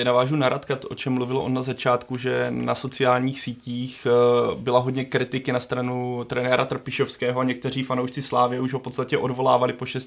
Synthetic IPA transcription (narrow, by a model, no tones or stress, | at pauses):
ɛnavaːʒunaɾʔat̪kat̪oʔo̞t͡ʃɛmːluvɪloʔonnazat͡ʃaːt̪kuʒɛna̰so̞t͡sɪaːlɲiːxsiːciːxbɪlaɦodɲɛkɾɪt̪ɪkɪnast̪ɾanut̪ɾɛnɛːɾat̪r̩pɪʃofskɛːɦoaɲɛk̚t̪ɛriːfanowʃt͡sɪslaːvɪjɛuʒɦofpo̞t̪st̪acɛʔo̞dvo̞la̰ːvalɪpo̞ʃɛs